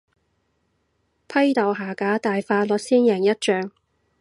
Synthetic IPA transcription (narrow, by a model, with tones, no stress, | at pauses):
pʰɐ˥jt̪ɐ˨˩wɦaː˨˩kaː˨˥t̪aː˨jfaː˧lɔ˨t̚siː˥njɛː˨˩ŋjɐ˥t̚t͡ʃœː˧ŋ